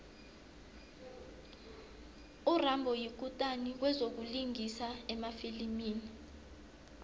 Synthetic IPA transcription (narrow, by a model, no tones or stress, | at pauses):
urambʱɔjik̬utʼanik̬wɛzok̬uliŋisaɛmafilimiːni